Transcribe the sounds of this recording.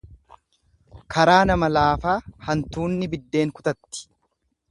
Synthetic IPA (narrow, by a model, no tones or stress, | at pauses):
kʰɐɾaːnɐmɐlaːfaːhɐnt̪uːnːɪbɪd̪ːe̞ːŋkʊ̥t̪ɐt̪ːɪ̥